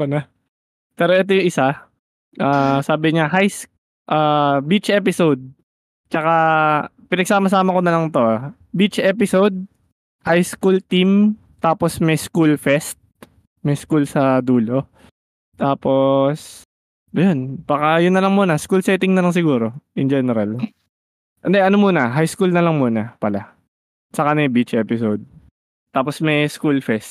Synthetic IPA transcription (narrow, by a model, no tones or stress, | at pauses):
pɐnɐ | pɛːɾoʔɛt̪̬ojʊŋʔɪsa | ʔaːsaːbɪɲaɦajs | ʔaːbit͡ʃʔɛpɪsowd̪̚ | t͡ʃɐka | pɪnɐɡ̚saːmɐs̬aːmɐko̞nɐlɐŋt̪o̞ʔa | bit͡ʃʔɛːpɪsowd̪̚ | hajskult̪im | t̪aːposmɛjskulfɛst̪̚ | mɛskulsɐd̪uːlo̞ | t̪aːpo̞s | ʔɐjonb̥aːkɐjʊnːɐlɐŋmuːnɐskulsɛːt̪ɪŋnɐlɐŋs̬ɪɡuːɾo̞ʔɪnd͡ʒɛːnɛɾal | ʔɛnd̪ɛʔɐnomuːnɐɦajskulnɐlɐŋmuːnɐpɐla | sɐkanɛjbit͡ʃʔɛːpɪsod̪̚ | t̪ːaːposmɛjskulfɛst̪̚